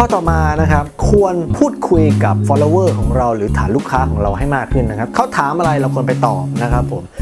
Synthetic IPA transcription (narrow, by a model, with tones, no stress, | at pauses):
ɔː˧˩t̪ɔː˨˩maː˧na˦˥kʰɾa˦˥p̚kʰu˧ənpʰuː˥˩t̪̚kʰu˧jka˨˩p̚fɔː˧loː˧wɤː˥˩kʰɔː˩˦ŋɾa˧wɾɯː˩˦t̪ʰaː˩˦nluː˥˩kʰːaː˦˥kʰɔː˩˦ŋɾa˧wɦa˥˩jmaː˥˩kʰːɯ˥˩nːa˦˥kʰa˦˥p̚kʰa˦˥wt̪ʰaː˩˦mʔa˧ɾa˧jɾa˧wkʰu˧ənp̬a˧jt̪ɔː˨˩p̚na˦˥kʰɾa˦˥pʰːo˩˦m